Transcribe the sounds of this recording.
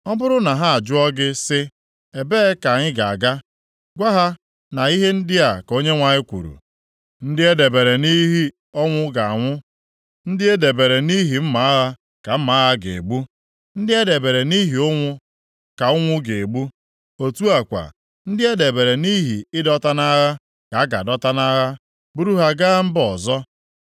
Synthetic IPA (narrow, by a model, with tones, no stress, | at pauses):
ɔ˦bʊ˦ɾʊ˦na˨ɦa˦a˨d͡ʒʊ˦ɔ˦ɡɪ˦sɪ˦ | e˨be˦ka˨ɲɪ˦ɡa˨a̰˨ɡa˦ | ɡʷa˦ɦa˦ | na˨i˦ɦe˦n̩˦dɪ˦a˨ko˦ɲe˦ŋʷa˨ɲɪ˦kʷṵ˨ɾṵ˨ | n̩˦dɪ˦e˦de˨be˨ɾe˨ni˦ɦi˦ | ɔ˦ŋʷʊ˦ɡa˨a̰˨ŋʷʊ˦ | n̩˦dɪ˦e˦de˨be˨ɾe˨ni˦ɦi˨m̩˦ma˨a˦ɣa˦ | ka˨m̩˦ma˨˦ɦa˦ɡḛ˨e˨ɡ͡bu˦ | n̩˦dɪ˦e˦de˨be˨ɾe˨ni˦ɦi˨ʊ˦ŋʷʊ˦ | ka˨ʊ˦ŋʷʊ˦ɡe˨ɡ͡bu˦ | o˨tu˦a˨kʷa̰˨ | n̩˦dɪ˦e˦de˨be˨ɾe˨ni˦ɦi˨ɪ˦dɔ˦ta˦na˦ɣa˦ | ka˨a˦ɡa̰˨dɔ˦ta˦na˦ɣa˦ | bu˦ɾu˦ɦa˦ɡa˦m̩˦bɔ˨zɔ˦